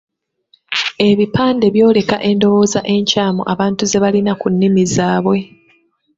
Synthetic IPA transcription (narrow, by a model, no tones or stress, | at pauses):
e̞βipaːnde̞βjo̞ːle̞ka̰ʔe̞ndo̞wo̞ːzaʔe̞ɲcaːmoʔaβaːntuze̞βalinakunːimizaːβwe̞